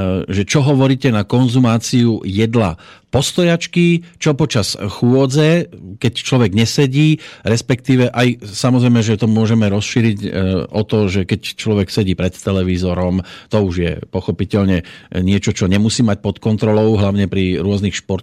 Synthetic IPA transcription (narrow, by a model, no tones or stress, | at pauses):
ʒɛt͡ʃɔɦɔʋɔɾiːcɛnakɔnzumaːt͡siujɛd̪la̰ | pɔst̪ɔjat͡ʃkit͡ʃɔpɔt͡ʃasxʊɔd͡zɛkɛct͡ʃlɔʋɛɡɲɛsɛɟiːɾɛspɛkt̪iːʋɛʔajsamɔzɾɛjmɛʒɛt̪ɔmʊɔʒɛmɛɾɔsʃiːɾicɔt̪ɔʒɛkɛct͡ʃlɔʋɛksɛɟiːpɾɛt̪ːɛlɛʋizɔɾɔmt̪ɔuʒjɛ̰pɔxɔpicɛʎɲɛɲɪɛt͡ʃɔt͡ʃɔɲɛmusiːmac̚pɔt̪kɔnt̪ɾɔlɔʊɦlaʊɲɛpɾiɾʊɔznixʃpɔɾt̪